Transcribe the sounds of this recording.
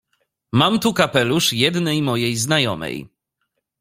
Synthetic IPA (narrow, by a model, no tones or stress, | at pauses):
mamt̪ukapɛluʂjɛd̪nɛjmɔjejznajɔ̰mɛ̰j